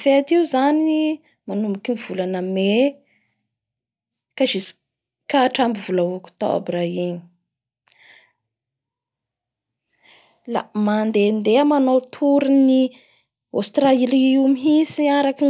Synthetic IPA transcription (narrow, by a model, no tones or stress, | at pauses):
feat̪iuzani | manumbikʲiniv̥ulanəme | kaʒisi̥ | kaːʈ͡ʂambivulaukʲu̥t̪a̰wa̰biraɦini̥ | la̰mand̪end̪eamanowt̪ʰuɾuni | o̰st̪railiumiɦisiaɾaki